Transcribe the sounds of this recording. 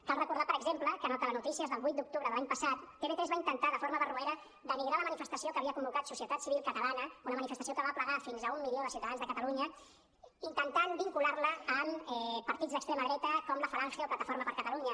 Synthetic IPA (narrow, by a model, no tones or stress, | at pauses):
kalrəkuɾðapəɾəɡzempləkənɔt̪ələnut̪isiəzðəlˠβut̪d̪uk̚t̪uβɾəðəlaɲpəsat̪p̪eβet̪ɾɛzβaint̪ənt̪aðəfoɾməβərueɾə | d̪əmiɣɾaləmənifəst̪əsiokəːβiəkumbukat̪susiət̪at̪siβilˠkət̪əlanəunəmənifəst̪əsiokəβapləɣafinzəumːilioðəsiwt̪əðanzðəkət̪əluɲə | int̪ənt̪anbiŋkulaɾləːmɛpəɾt̪idd͡zzðəkt̪ɾeməðɾɛt̪əkɔmləfaɾanxjəoplət̪əfoɾməpəɾkət̪əluɲə